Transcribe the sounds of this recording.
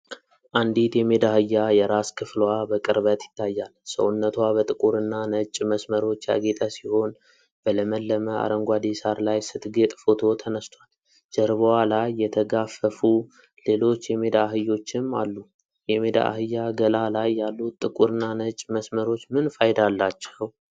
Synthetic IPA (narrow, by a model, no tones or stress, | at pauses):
ʔand̪it̪jɛmed̪ahɨjːajɛɾaskʰɨflwabəkʼɨɾβət̪jɪ̥t̪ʰːajːalsə̰wʊnːət̪wabət̪ʼɨkʼuɾɨnːanət͡ʃʼməsməɾo̞t͡ʃːja̰ɡet̪ʼasiho̞n | b̥ələməlːəməa̰ɾəŋɡʷad̪isaɾlajsɨt̪ɡet̪ʼfo̞t̪ʰo̞t̪ʰənəst̪ʰwal | d͡ʒəɾβəwalajːɛt̪ʰəɡafəfu | le̞lo̞t͡ʃːjɛme̞d̪aɦɨjːo̞t͡ʃːɪmːa̰lːu | jɛmed̪a̰ʔhɨjːaɡəlalajːalːut̪ʼːɨkʼuɾɨnːanət͡ʃʼməsməɾo̞t͡ʃːmɨnfajd̪alːat͡ʃːɛw